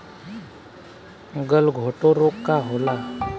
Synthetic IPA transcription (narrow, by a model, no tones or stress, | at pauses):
ɡəlɡʱoʈoɾokːaɦola